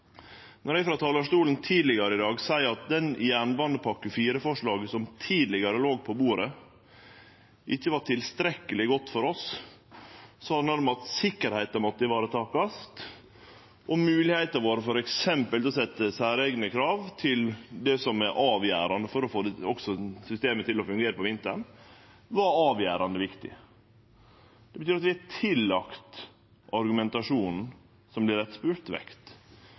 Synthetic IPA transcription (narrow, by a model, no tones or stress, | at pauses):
nɔɾæɪfɾɑːt̪ʰɑːləʂʈuːlənt̪ʰiːd̪lɪɡɑɾəɪd̪ɑːɡsæɪɾɑt̪̚d̪ɛnjæːɳbɑnd̪əpʰɑkːəfiːɾəfɔʂɭɑːɡəsɔmt̪ʰiːd̪lɪɡɑɾəloːɡ̚pʰɔbuːɾə | ʔɪçːəʋɑʈʰɪlst̪ɾɛkːəlɪɡɔt̪ːfɔɾɔs | sɔhɑd̪næɾmɑt̪sɪkːəɾhæɪt̪əɾmɔt̪ːəɪʋɑːɾət̪ʰɑːkɑst̪ | ʔɔmʉːlɪhæɪt̪əɾʋoːɾəfɔɾɛksɛmpəlɔs̬ɛt̪ːəsæːɾɛɡnəkʰɾɑːʋt̪ʰɪld̪ɛsɔmæɾʔɑːʋjæ̰ːɾɑnd̪əfɔɾɔfoːd̪ɔksɔsʏst̪eːmət̪ɪlɔfʉŋɡeːɾəpʰɔʋɪnt̪ə̰ɳ | ʋɑɾɑːʋjæːɾɑnd̪əʋɪkt̪ɪ̰ | d̪̥ɛbət̪yːɾɑt̪ʋɪɑtʰɪlːɑkt̪ | ʔɑɾɡʉmɛnt̪ɑʂuːnn̩ | sɔmblɪɾɛt̪spʉːɾt̪ʋɛ̰kt̪